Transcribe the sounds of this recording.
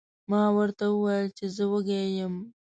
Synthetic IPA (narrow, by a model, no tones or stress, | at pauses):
mɑwəɾt̪auwajəlt͡ʃezəwəɡejəm